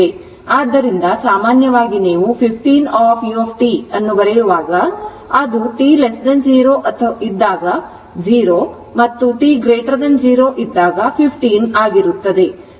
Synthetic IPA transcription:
e | aːd̪ːɐɾind̪ɐsaːmaːnjɐʋaːɡineːʋupʰipʰʈiːnaːpʰjuoːpʰʈiɐnːubɐɾejuʋaːɡɐ | ɐd̪uʈiːlesd̪ɐnd͡ʒiːɾoːʔɐt̪ʰɐid̪ːaːɡɐ | d͡ʒiːɾoː | mɐt̪ːuʈiːɡɾeːʈɐɾd̪ɐnd͡ʒiːɾoːʔid̪ːaːɡɐpʰipʰʈiːnaːɡiɾut̪ːɐd̪e̞

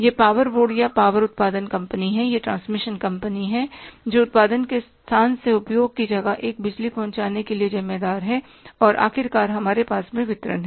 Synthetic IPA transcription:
jepaːʋəɾʋoːɖjapaːʋəɾʊt̪̚paːd̪ənkɐ̃mpəniɦɛjeʈɾãːnsmɪʃənkɐ̃mpəniɦɛd͡ʒoːʊt̪̚paːd̪ənkest̪ʰaːnseʊpjoːɡ̚kid͡ʒɐɡaʔeːk̚bɪd͡ʒlipɐɦʊ̃ɲt͡ʃaːnekeliezɪmːed̪aːɾɦɛ | ɔːɾʔa̰ːxɪɾkaːɾɦɐmaːɾepaːsmẽʋɪt̪ɾə̰nɦɛ

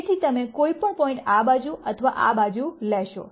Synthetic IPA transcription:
t̪ʰit̪əmekoipəɳpɔĩɳʈabad͡ʒuʔət̪ʰəʋaʔa̰bad͡ʒulɛʃo̰

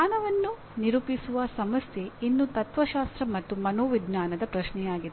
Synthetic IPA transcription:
aːnɐʋɐnːu | niɾupisuʋɐsɐmɐsjeinːut̪ɐt̪ʋɐʃaːst̪ɾɐmɐt̪ːumɐnoːʋid̪naːnɐd̪ɐpɾɐʃnɛjaːɡid̪

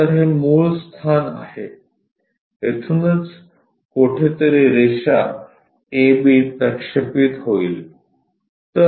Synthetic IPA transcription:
əɾɦemuːɭst̪ʰana̰he | et̪ʰunət͡s | koʈʰet̪əɾeɾeʂa̰ | ebiːpɾəkʂəpit̪ɦoḭːl | t̪ə

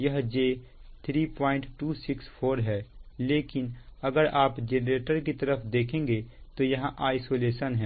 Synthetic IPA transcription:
jɐɦd͡ʒeː | t̪ʰɾiːpɔːɪ̃ɳʈʈuːsɪkspʰoːɾɦɛːleːkɪnɐɡəɾaːpd͡ʒeːnɾeːʈəɾkit̪ɐɾəfʰd̪eːkʰẽːŋɡet̪ojɐɦãʔaːɪsoːleːʃənɦɛ̃ː

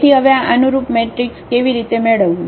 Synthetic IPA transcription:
iɦəʋeaʔənuɾupmeʈɾikskeʋiɾit̪emeɭəʋũ

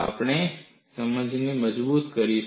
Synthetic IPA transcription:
ɐ̰pne | sɐməd͡ʒʱnemɐd͡ʒbuːt̪kɐɾi

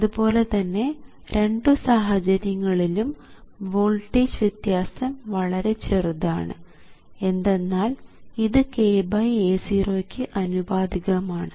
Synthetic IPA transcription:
ɐðubo̞ːle̞t̪ɐnːe̞ | ɾʔe̞ɳɖɨsaːɦɐd͡ʑɐɾjɐŋːɐɭilum | ʋoːɭʈid͡ʑʋid̪jaːsɐmʋɐɭɐɾe̞t͡ɕe̞ruða̰ːɳɨ̰ | e̞nd̪e̞nːaːliðɨkeːbɐjeːsiːro̞ːkʲːɨʔɐnubaːd̪iɣɐmaːɳɨ

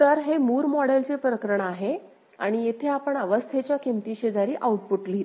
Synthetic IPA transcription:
t̪əɾɦemuːɾmɔɽelt͡sepɾəkəɾəɳəaɦe | a̰ɽ̃ijet̪ʰeapəɳəʋəst̪ʰet͡ɕjakimt̪iɕed͡zaɾiːʔauʈ̚puʈliːt̪

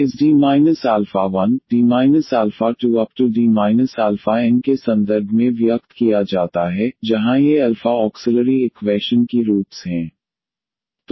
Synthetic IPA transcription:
ɪsɖiːmaːɪnəsaːlfaʋɐnɖiːmaːɪnəsaːlfaʈuɐp̚ʈuɖiːmaːɪnəsaːlfaɛ̃nkesɐ̃nd̪əɾbʱmẽʋɪjɐkt̪kijad͡ʒaːt̪aɦɛd͡ʒɐɦãjeɐlfaɔːksɪləɾiɪkwɛːʃənkiɾuːʈsɦɛ̃ː | t̪

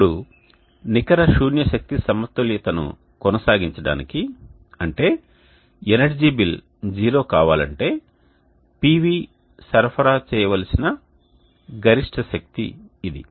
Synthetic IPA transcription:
ɽu | nikɐɾɐʃuːnjɐʃɐk̚t̪isɐmɐt̪ːuljɐt̪ɐnṵ | kɔnɐsaːɡiɲt͡ʃɐɽa̰ːniki | ɐɳʈe̞ː | enɐɾd͡ʒiːbil | d͡ʒiːɾo̞ːkaːʋaːlɐɳʈe̞ː | piːʋiː | sɐɾpʰɐɾaːt͡ʃɛːjɐʋɐlɐsinɐ | ɡɐɾiʂʈʰɐʃɐk̚t̪ḭːd̪ḭ

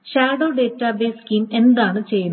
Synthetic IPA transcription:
ɕaːɖoːɖeːtːɐbeːskiːme̞nd̪aːɳɨt͡ɕe̞jun

